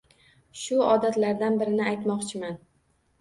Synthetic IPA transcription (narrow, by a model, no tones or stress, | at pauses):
ʃʊɒd̪at̪laɾd̪anbɪɾɪnɪajt̪mɒqt͡ʃʰɪman